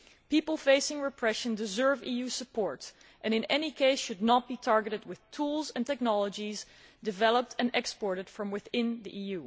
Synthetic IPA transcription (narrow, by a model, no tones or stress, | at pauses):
pipl̩ˠfeɪsɪ̃ŋɹɨpʰɹ̥ɛʃɨ̃ndɨzɜ˞vijusəpʰɔɹt | ʔɨ̃ñɨ̃nɛnikʰeɪsʃɨdⁿnət̚b̥itʰɑɹɡɨɾɨd̚wɪð̥tʰulˠzɨ̃ntɛk̚nɑlˠəd͡ʒiz | dɨvɛlˠəp̚tʰɨ̃nʔɛkspɔɹɾɨd̥fɹʌ̃mwɪθɪ̃nðiʔijʉ